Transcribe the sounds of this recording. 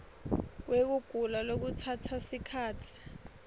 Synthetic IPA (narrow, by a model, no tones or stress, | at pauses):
wek̬uɡ̥ʱulalok̬utʰatʰasikʰaːtʰi̥